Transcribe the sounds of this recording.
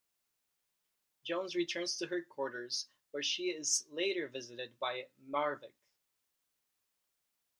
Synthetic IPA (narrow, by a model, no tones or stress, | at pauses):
d̥ʒ̥õʊ̃nzɹitʰɜ̃˞nz̥tʰɨɦɜd̚kʰw̥ɔɹɾə˞z̥ | b̥ʌtʃiɪzleɪɾə˞vɪzɨɾɨd̚baɪmɑɹvɪk